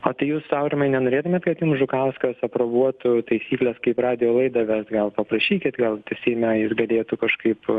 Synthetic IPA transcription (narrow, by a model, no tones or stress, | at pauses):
oːt̪ɐɪjuːssɐʊɾʲɪmɐɪnʲɛnoːɾʲeːt̪ʊmʲeːt̪kɐt̪juːmsʒʊkɐʊskɐsɐpɾobuɔt̪ʊt̪ɐɪsʲiːklʲɛskɐɪprɑːd̪ʲɪjoːlˠɐɪd̪ɐʋʲɛsɡɐlˠpɐpɾɐʃʲiːkʲɪt̪ɡɐlˠt̪ʲɪsʲɛɪmʲɛjuːsɡɐlʲeːt̪ukɐʃkɐɪp